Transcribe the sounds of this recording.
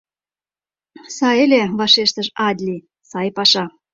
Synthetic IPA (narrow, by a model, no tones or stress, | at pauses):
sɑjelʲeβɑʃeʃt̪əʃɑd̪ʲlʲi | sɑjpɑʃɑ